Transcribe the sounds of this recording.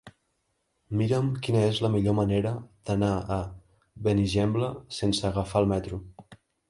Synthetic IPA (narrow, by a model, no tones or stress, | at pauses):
miɾəmkinəezləmiʎoməneɾəð̥ənaə | βəniʒɛmbləsensəːɣəfalˠmɛt̪ɾu